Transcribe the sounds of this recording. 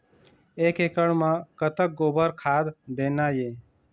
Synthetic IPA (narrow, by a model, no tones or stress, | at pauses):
eːkekəɽmãkət̪ək̚ɡoːbəɾkʰaːd̪d̪eːnaje